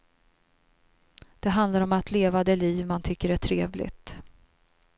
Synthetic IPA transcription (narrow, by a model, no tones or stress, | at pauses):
d̪̥ɛɦand̪laɾɔmat̪leːvad̪əliːvmant̪ʰʏkːəɾæʈʰɾeːvlɪ̰ɡt̪